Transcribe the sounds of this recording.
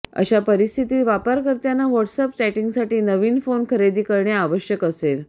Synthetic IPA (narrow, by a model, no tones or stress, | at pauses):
ə̰ɕapəɾist̪ʰit̪iːʋapəɾkəɾt̪janːaʋəʈsəp̚t͡ɕɛʈiŋɡsaʈiːnəʋiːnfonkʰəɾed̪iːkəɾɳjaːʋəɕjəkəsel